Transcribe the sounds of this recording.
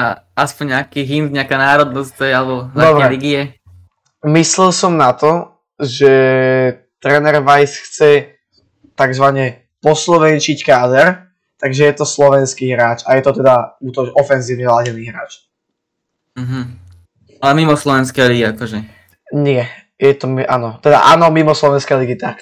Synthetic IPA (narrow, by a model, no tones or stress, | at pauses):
a | aspɔɲɲakiɦimpɲɪakanaːɾɔd̪nɔst̪ɛjalɛbɔnad̪ɔbɾɛɛliɡiɛ | mislɛlsɔmnat̪ɔ | ʒɛ | t̪ɾɛːnɛɾʋajsxt͡sɛ | t̪aɡzʋaɲɛ | pɔslɔʋɛnt͡ʃickaːd̪ɛɾ | t̪aɡʒɛjɛt̪ɔslɔʋɛnskiːɦɾaːt͡ʃajɛt̪ɔt̪ɛd̪aut̪ɔɔfɛnziːʊɲɛlaɟɛniɦɾaːt͡ʃ | m̩ɦm̩ | alɛmimɔslɔʋɛnskɛjliɡiakɔʒɛ | ɲɪɛ | jɛt̪ɔmiʔa̰ːnɔt̪ɛd̪a̰ʔa̰ːnɔmimɔslɔʋɛnskɛjliɡit̪ak